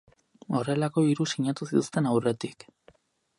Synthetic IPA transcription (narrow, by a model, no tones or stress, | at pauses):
o̞re̞lako̞iɾusiɲat̪usit̪ust̪e̞nawre̞t̪ik